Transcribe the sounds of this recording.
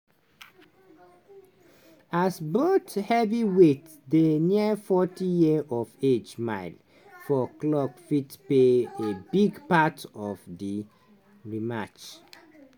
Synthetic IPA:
asbothɛviwetsdeniəfɔtijiəɔved͡ʒmaɪl | fɔklɔkfitpeebiɡpatɔvdi | ɹimat͡ʃ

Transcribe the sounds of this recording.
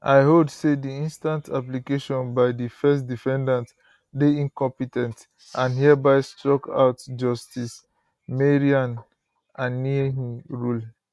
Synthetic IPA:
aɪɦodsediĩnstãntʰap̬likeʃɔ̃nbaɪdifɛstdifɛ̃ndãnt | deĩnkɔ̃mpitɛ̃nt | ʔãnɦiabaɪstɹɔka̰ʊtd͡ʒɔstis | meɹiãn | annːiɦiɹul

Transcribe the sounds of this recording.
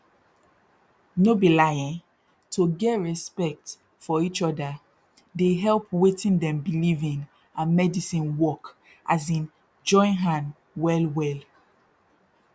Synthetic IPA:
nobilajə̃n | tʰoɡɛtɹɛspɛk̚t | fɔit͡ʃɔdə | deɦɛlˠpwetĩndɛ̃mbilivĩŋ | ãnmɛdisĩnwɔk | ʔazĩn | d͡ʒɔ̃ɪ̃nɦãn | wɛlwɛl

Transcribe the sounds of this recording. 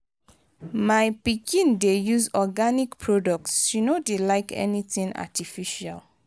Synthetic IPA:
maɪpikʰĩndejuzɔɡanikpʰɹɔdɔk̚tsunodelaɪkʰɛ̰niθĩŋa̰tifiʃa̰l

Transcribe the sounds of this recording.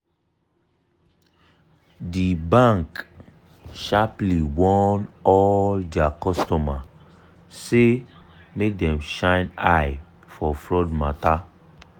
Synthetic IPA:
dibãŋk | ʃapliwɔ̃nɔldakɔstɔma | se | mek̚dɛ̃mʃãɪnaj | fɔfɹɔdmata

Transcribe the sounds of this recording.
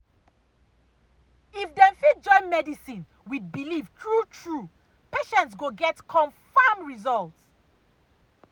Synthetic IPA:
ifdɛ̃nfid͡ʒɔ̃ɪ̃nmɛdisĩn | wid̚biliftʰɹutʰɹu | peʃɛ̃ntsɡoɡɛtkʰɔ̃nfamɹizɔlts

